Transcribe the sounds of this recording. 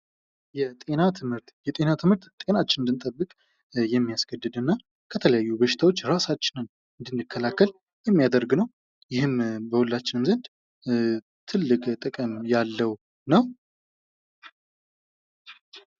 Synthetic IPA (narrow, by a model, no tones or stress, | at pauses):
jɛt̪ʼe̞nat̪ʰɨmhɨɾt̪jɛt̪ʼe̞nat̪ʰɨmhɨɾt̪t̪ʼe̞nat͡ʃːɪnɨnd̪ɨnt̪ʼəbːɨkʼ | jɛmːijasɡ̥əd̪ːɨd̪ɨnːa | kʰət̪ʰələjajːubəʃɪ̥t̪ʰawo̞t͡ʃːɾasat͡ʃːɪnɨn | ɨnd̪ɨnd̪ɨkʰːəlakːəl | jɛmːijad̪əɾɡnəw | jɪhɨmbəhulːat͡ʃːɪnɨmzənd̪ | t̪ʰɨlːɨkʼt̪ʼɨkʼəmjalːəw | nəw